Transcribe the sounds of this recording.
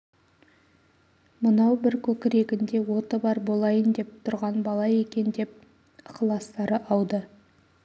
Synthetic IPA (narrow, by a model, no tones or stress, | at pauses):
mʊnɑwbɪɾkʲʰɵkʲɪɾe̞ɡʲɪnd̪e̞wo̞t̪əbɑɾbo̞lˠɑjənd̪e̞p̚t̪ʰʊɾʁɑnbɑlˠɑje̞kʲe̞nd̪e̞p̚ | qʰəlˠɑst̪ɑɾəʔɑwd̪ə